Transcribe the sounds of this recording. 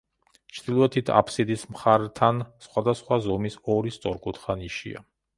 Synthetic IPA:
t͡ʃʰd̪ilˠɔɛt̪ʰit̪ʰa̰pʰsid̪ismχaɾt̪ʰansχwad̪asχwazɔmisɔɾist̪sʼɔɾkʼut̪ʰχaniʃḭa̰

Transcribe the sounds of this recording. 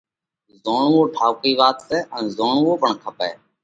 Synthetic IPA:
zoːɳʋoːʈʰaːkiːʋaːt̪sɛːʔənzoːɳʋoːpəɳkʰəpɛː

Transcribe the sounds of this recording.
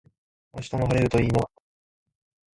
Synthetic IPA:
a̰ɕi̥t̪onoɦaɾeɾɯ̟t̪o̞iːnoa

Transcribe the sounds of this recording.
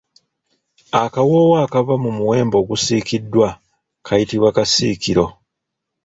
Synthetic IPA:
akawowaːkavamumuwe̞ːmbo̞ːɡusiːkidːwa | kʰajitiβwakasḭːkiɾo̞

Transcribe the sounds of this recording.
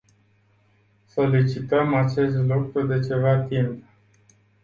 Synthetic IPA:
so̞lit͡ʃit̪əmat͡ʃe̞st̪lukɾud̪e̞t͡ʃe̞vat̪imp

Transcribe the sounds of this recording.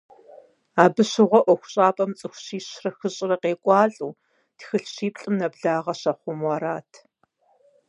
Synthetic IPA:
aːbɨɕɪʁʷɔʔʷɔxʷʊɕʼaːpʼɐmt͡sʼɨxʷɕiːɕrɐxɨɕʼɪrɐqeːkʷʼɑːɬʼuː | txɨɬɕiːpʼɬʼɨmnɐbɮaːʁɐɕɐχʷʊmwɑːɾaːtʰ

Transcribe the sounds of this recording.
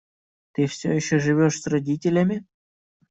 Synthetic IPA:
t̪ɨfsʲojɪɕːoʐɨvʲoʂsʲrɐdʲitʲɪlʲamʲɪ

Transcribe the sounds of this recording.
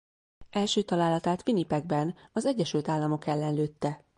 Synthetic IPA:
ɛlʃøːt̪ɒlaːlːɒt̪aːt̪finipɛɡ̚bɛnɒzɛɟːɛʃylt̪aːlːɒmo̞kɛlːɛnløːt̪ːɛ

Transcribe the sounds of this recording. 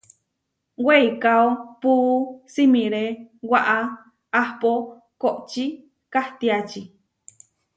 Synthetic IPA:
weikaopusimĩɾewaʔaː | hpo | koʔt͡ʃi | kaht̪iat͡ʃi

